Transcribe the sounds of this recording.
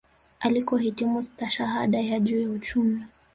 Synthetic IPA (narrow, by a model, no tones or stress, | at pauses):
ʔalikɔhitimust̪aʃaɦa̰ɗajaʄuːjaut͡ʃumi